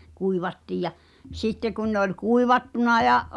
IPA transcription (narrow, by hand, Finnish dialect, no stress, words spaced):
kuiʋɑtːiːj jɑ sitːe kun ne olʲ kuiʋɑtːunɑ jɑʔ